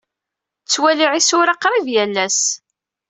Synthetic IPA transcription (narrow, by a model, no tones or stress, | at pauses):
t͡sːwæliʕisʊɾɑqɾˤivjælːæs